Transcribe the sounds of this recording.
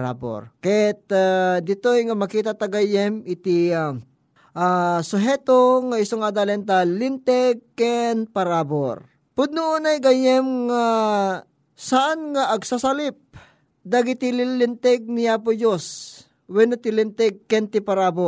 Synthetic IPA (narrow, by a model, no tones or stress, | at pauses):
ɾa̰bo̰ɾkɐjɛt̪ad̪ɪt̪ojŋamɐkiːt̪at̪ɐɡajɛmɪt̪ia | ʔasʊɦɛt̪oŋaɪsoŋad̪alɛnt̪alɪnt̪ɛɡ̚kɛnpɐɾaːboɾ | pʊd̪̚nʊʊnajɡajɛmŋa | saʔanŋaʔɐɡsasalɪp̚ | d̪aɡit̪ililɪnt̪ɛɡ̚niap̬od͡ʒos | wɛnat̪ilɪnt̪ɛɡ̚kɛnt̪ɪpɐɾaːbo